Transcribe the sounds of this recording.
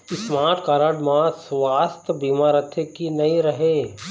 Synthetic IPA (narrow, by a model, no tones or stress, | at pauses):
ɪsmaːʈkaːɾəɽmãsʋaːst̪biːmaːɾət̪ʰekinɐĩɾɐɦeː